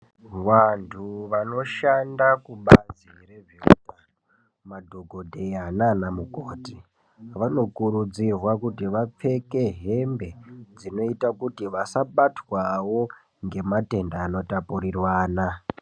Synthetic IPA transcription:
ʋantʰuʋano̞ʃandakuɓazire̞ʐeṵtano | madʱoɡʱo̞dʱeananamukoːti | ʋano̞kuɾud͡zirwakutiʋap͡fe̞ke̞ɦe̞mbe̞d͡zino̞itakutiʋasaɓatwawo̞ | ŋɡe̞mate̞ndaːno̞tapuɾirwaːna

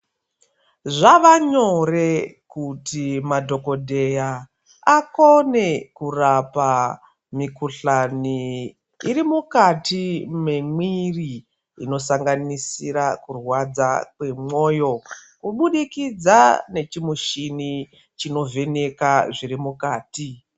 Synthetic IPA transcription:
ʐaʋaɲo̞re̞kutimadʱo̞ko̞dʱe̞ja | ako̞ne̞kurapa | mikuɬaniː | rimukatimemwiri | ino̞saŋɡanisiɾakurwad͡zakwe̞mo̞ːjo̞kuɓuɗikid͡zane̞t͡ʃimuʃini | t͡ʃino̞ve̞ne̞kaʐiɾimukaːti

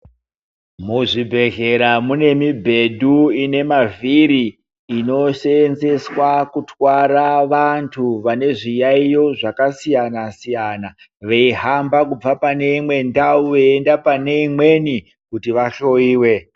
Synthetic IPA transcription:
muʐibʱe̞ɣe̞ɾamune̞mibʱe̞dʱuine̞maviɾiː | no̞ʃenze̞swakutwaɾaʋantʰuʋane̞ʐijaijo̞ʐakasijanasijana | ʋeiɦambakub͡vapane̞imwe̞ndauʋeendapane̞imwe̞ni | kutiʋaɬo̞iːwe̞

